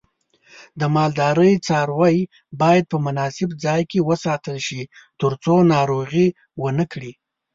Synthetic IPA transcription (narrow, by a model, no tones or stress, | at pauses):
d̪əmɑld̪ɑɾəjt͡sɑɾwaj | bɑjad̪̚pəmʊnɑsɪbd͡zɑjkewəsɑt̪əlʃit̪əɾt͡sonɑɾoɣi | wənəkɽi